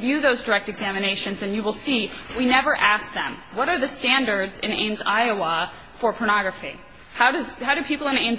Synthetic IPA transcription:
vjʉðoʊzdə˞ɛk̚tɨɡzæmɨneɪʃɨ̃nzɨ̃njɨwəlˠsiwinɛvə˞ʔæsk̚ðɨ̰̃mwʌɾə˞ðɨstæ̃ndə˞dzɨ̰̃nḛ̃ɪ̃mzaɪəwɑ | fə˞pʰə˞nɑɡɹɨfḭ | haʊɾʌz̥haʊɾɨpʰipl̩ˠə̃nẽɪ̃nz

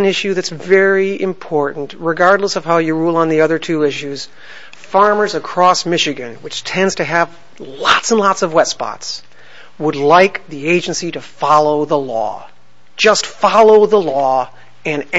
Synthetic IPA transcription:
nɪʃʉðɨtsvɛɹiɪ̃mpʰɔɹʔn̩t̚ɹɨɡɑɹdˡləsʌv̥haʊjɨɹulˠə̃nðiʌðə˞tʰʉɪʃʉz̥ | fɑɹmə˞zɨkʰɹ̥ɔsmɪʃɨɡɨ̃nwɨt͡ʃtʰɛ̃ndz̥tʰɨːv | lɑtsə̃n̩lɑtsʌvwɛtspɑ̰ts | wədˡlaɪkðieɪd͡ʒɨ̃nsiɾɨfɑlˠoʊðəlɔ̰ | d̥d͡ʒ̥ʌstfɑlˠoʊðəlɔ | ɨ̃n

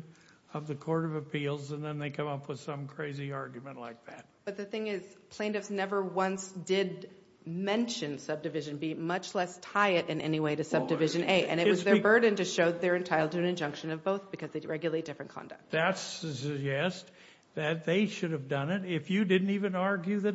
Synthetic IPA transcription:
ʌvðɨkʰɔɹɾʌvɨpʰilˠzə̃nðɨ̃nðeɪkʰʌ̃mʌpwəð̥sʌ̃mkʰɹ̥eɪziɑɹɡjmɨ̃nʔlaɪk̚ðæt̚b̥ʌt̪̚ðɨθɪ̃ŋɪz̥pʰl̥ẽɪ̃ndɨfsnɛvə˞wʌ̃nsd̥ɪd̚ | mɛ̃nʃɨ̃nsʌb̚dɨvɪʒɨ̃nbimʌt͡ʃlɛstʰaɪɨɾɨ̃nʔɛ̰niweɪɾɨsʌb̚dɨvɪʒɨ̃neɪʔɨ̰̃ñɨʔwʌzðə˞bɜ˞dⁿn̩tɨʃoʊðə˞ɨ̃ntʰaɪlˠtɨɨ̃nɨ̃nd͡ʒʌ̃ŋkʃɨ̃nʌvboʊθb̥ɨkʰʌzðeɪɹɛɡjɨl̩ˠeɪt̚d̥ɪfɹɨ̃nkʰɑ̰̃ndɨ̰k̚tððætsɨɨd͡ʒɛst | ðɨt̪̚ðeɪʃʊɾɨvdʌ̃nɪɾɪfjɨdɪdⁿn̩tivɨ̃nɑɹɡjʉðɨ

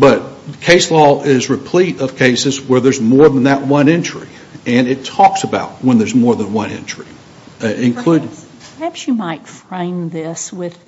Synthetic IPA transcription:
b̥ʌt̚kʰeɪslɔɪzɹɨpʰl̥iɾʌv̥kʰeɪsɨzwə˞ðə˞zmɔɹðə̃n̩ðɨʔ̚wʌ̃nɛ̃nt͡ʃɹ̥i | ɨ̃nɪtʰɔksəbaʊt̚wə̃nðə˞zmɔɹðə̃nwʌ̃nɪ̰̃nt͡ʃɹ̥i | ɪ̃nkʰl̥ʉpʰə˞hæpsjɨmaɪtfɹẽɪ̃mðɪswɪð̥

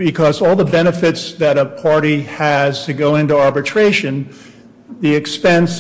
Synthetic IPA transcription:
bɨkʰʌzɔlˠðəbɛñɨfɨtsðɨɾəpʰɑɹɾiɨz̥tʰɨɡoʊɪ̃ntuɑɹbɨtʰɹ̥eɪʃɨ̃n | ðiɨkspɛ̃ns

